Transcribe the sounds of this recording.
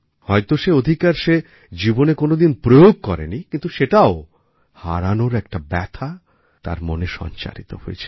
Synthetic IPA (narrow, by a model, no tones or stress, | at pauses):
hɔjt̪oʃeod̪ʱikaɾʃe | d͡ʑibonekonod̪inpɾojoɡ̚kɔɾḛnikint̪uʃeʈao | ha̰ɾanoɾɛk̚ʈabɛt̪ʰa | t̪a̰ɾmoneʃɔ̰nt͡ɕa̰ɾit̪oho̰jet͡ɕʰe̥